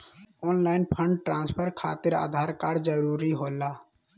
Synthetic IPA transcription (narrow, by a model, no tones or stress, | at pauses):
ɔːnlaːɪnpʰə̃ɳɖʈɾãːnspʰəɾkʰaːt̪ɪɾa̰ːd̪ʱaːɾkaːɾd͡ʒəɾuːɾiɦoːlaː